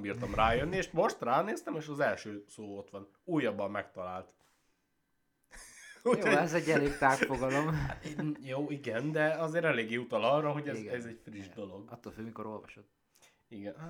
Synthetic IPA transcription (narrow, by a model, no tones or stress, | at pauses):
mbiːrt̪ɒmraːjønːieːʃmo̞ʃt̪raːneːst̪ɛmeːʃɒzɛlʃøːsoːo̞t̪ʋɒn | uːjːɒbːɒmːɛkt̪ɒlaːlt̪ | ujoɛzɛːɛleːɡt̪aːkfoɡɒlom | joːiɡɛnd̪ɛɒzeːɾɛleːɡːeːut̪ɒlɒrːɒɦo̞ɟɛzɛzɛcfriʒd̪o̞lo̞ɡɒt̪ːolføːmikoɾo̞lvɒʃod̪ | iɡɛn